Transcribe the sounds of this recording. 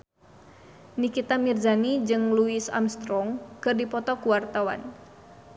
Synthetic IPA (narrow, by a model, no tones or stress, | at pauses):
nikit̪amirzanid͡ʒɨŋluisa̰mst̪ɾɔŋkɨrdipɔt̪ɔkuwart̪awa̰n